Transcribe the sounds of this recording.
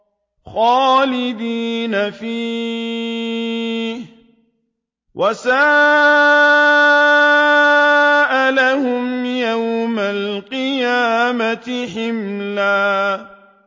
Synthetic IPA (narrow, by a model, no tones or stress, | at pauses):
xɑːlɪd̪iːnafiː | h | wʔasaː | ʔalahʊmjawmalqɨjaːmat̪ɪħɪmlaː